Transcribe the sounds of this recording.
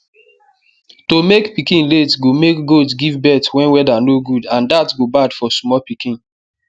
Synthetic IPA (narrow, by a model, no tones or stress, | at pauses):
tomekpikĩnletɡomekɡotsɡivbɛtwɛ̃nwɛdanoɡudãndatɡobadfɔsmɔpikĩn